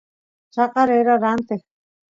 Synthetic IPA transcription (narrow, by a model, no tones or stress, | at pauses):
t͡ʃaqaɾeɾaɾant̪e